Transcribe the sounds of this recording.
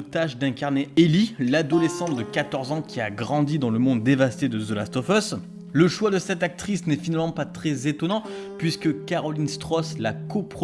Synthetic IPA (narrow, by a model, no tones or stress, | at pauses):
t̪aʃd̪ɛ̃kaʁneelilad̪ɔlesɑ̃t̪d̪əkat̪ɔʁzɑ̃kʲiaɡʁɑ̃d̪id̪ɑ̃ləmɔ̃d̪ːevast̪ed̪əzolast̪ɔfɔs | ləʃwad̪əsɛt̪ak̚t̪χisnɛfinalmɑ̃pat̪χɛzet̪ɔnɑ̃ | pɥiskəkaʁɔlinst̪χɔslakopχ